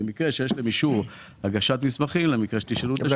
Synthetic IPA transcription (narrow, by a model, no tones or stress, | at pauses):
emikʁeʃejeʃlemiʃuʁ | haɡaʃat̪mismaχimlemikʁeʃe̥t̪iʃelut